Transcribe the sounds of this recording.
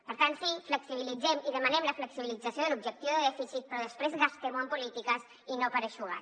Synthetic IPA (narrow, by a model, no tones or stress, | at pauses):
pəɾt̪ansifləksiβilid͡zɛmiðəmənɛmləfləksiβilid͡zəsioðəlubʒək̚t̪iuðəðɛfisit̪̚pɾɔðəspɾezɣast̪emuəmpulit̪ikəs | inopəɾəʃuɣa̰